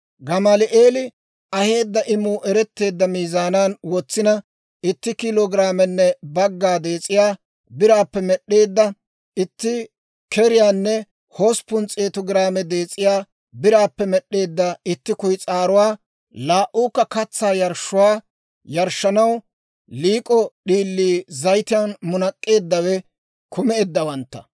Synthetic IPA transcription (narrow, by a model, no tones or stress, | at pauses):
ɡɐmɐlɪʔe̞ːlɪ | ʔɐhe̞ːd̪ːɐʔɪmːʊʔɛɾɛt̪ːe̞ːd̪ːɐmiːzaːnaːnwɔt͡sːɪnɐ | ɪt̪ːɪkɪloːɡɾaːmɛnːɛbɐɡːaːd̪e̞ːt͡sʼːɪjaː | bɪɾaːpːɛmɛɗe̞ːd̪ːɐ | ɪt̪ːɪ | kɛɾɪjaːnːɛ | hoːspʊnt͡sʼeːt̪ʊɡɪɾaːmɛd̪e̞ːt͡sʼːɪjaː | bɪɾaːpːɛmɛɗːe̞ːd̪ːɐɪt̪ːɪkʊjt͡sʼaːɾʊwaː | laːʔuːkːɐkɐt͡sːaːjɐɾʃːʊwaː | jɐɾʃːɐnɐw | liːkʼɔɗiːlːiːzɐjt̪ɪjanmʊnɐkʼːe̞ːd̪ːɐwɛ | kʰʊmɛd̪ːɐwɐnt̪ːɐ̥̰